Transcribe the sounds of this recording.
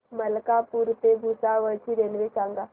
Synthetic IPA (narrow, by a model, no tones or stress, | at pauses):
məlkapuɾt̪ebʱusaʋəɭt͡ʃʰiɾenʋesaŋɡa